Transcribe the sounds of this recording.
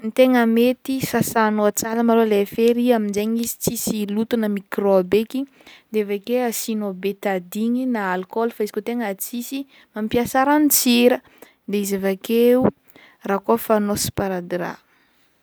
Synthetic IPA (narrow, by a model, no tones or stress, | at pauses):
nt̪eŋəmet̪isasanoat͡saləmalolefeɾiaminzeɲizi̥t͡sisilut̪unəmikroabeki | d̪eavakeasinobet̪ad̪iɲinaːlkolfaizikot̪eŋat͡sisi | mampiasaɾanit͡siɾə | d̪eizavakeu | rakofanosi̥paɾad̪iɾa̰